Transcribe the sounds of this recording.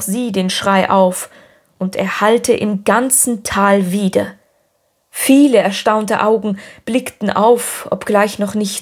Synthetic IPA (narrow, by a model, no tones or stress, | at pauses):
z̥iːdeːnʃʁ̥aɪʔaʊf | ʔʊntɛ̰ːɐhaltəʔɪmɡant͡sn̩tʰaːlviːdɐ | fiːləɛɐʃtaʊntə̰ʔaʊɡŋ̩b̥lɪktn̩ʔaʊfʔɔ̰pɡ̥laɪçnɔχnɪçt